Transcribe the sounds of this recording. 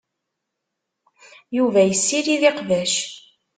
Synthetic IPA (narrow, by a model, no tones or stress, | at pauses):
juvæjəsːiɾiðiqvæʃ